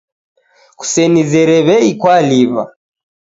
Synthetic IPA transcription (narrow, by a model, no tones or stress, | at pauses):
ku̥sɛnizɛɾɛβɛikwaliβa̰